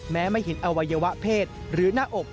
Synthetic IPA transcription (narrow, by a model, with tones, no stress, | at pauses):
mɛː˦˥ma˥˩jɦe˩˦nʔa˧wa˧jːaː˧wa˦˥ʔpʰeː˥˩t̪̚ɾɯː˩˦naː˥˩ʔo˨˩k̚